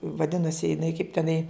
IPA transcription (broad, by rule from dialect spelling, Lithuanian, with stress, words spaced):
ʋɐˈdʲɪnɐsʲɪ jɪˈnɐɪ kɐɪp tʲɛˈnɐɪ